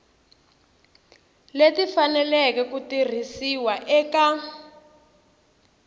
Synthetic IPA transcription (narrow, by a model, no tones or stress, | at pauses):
letifanɛlɛkɛkutir̤isiwaʔɛka